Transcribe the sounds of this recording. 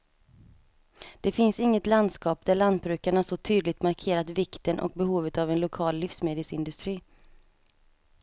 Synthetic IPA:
d̪̥ɛfɪnsɪŋːət̪land̪skɑːp̚d̪æɭand̪̚bɾʉ̟ːkaɳahaʂɔt̪ʰyːd̪lɪɡ̚t̪maɾkʰeːɾat̪vɪkt̪ənʔɔ̰k̚bɛɦuːvət̪avɛnlʊkʰɑːlːɪfsmeːd̪əsɪnd̪ɵst̪ɾiː

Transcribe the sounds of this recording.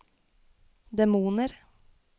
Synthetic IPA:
d̪ɛmuːnəɾ

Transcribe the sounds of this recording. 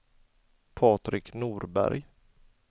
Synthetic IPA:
pʰɑːt̪ɾɪknuːɾbæ̰ɾj

